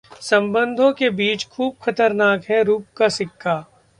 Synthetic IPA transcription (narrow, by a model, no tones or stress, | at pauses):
sɐ̃mbə̃nd̪ʱõkebiːt͡ʃkʰuːbxɐt̪əɾnaːkɦɛ̃ɾuːp̚kasɪkʰːaː